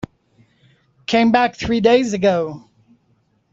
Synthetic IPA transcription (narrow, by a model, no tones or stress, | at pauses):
kʰẽɪ̃mbæk̚θɹideɪzɨɡoʊ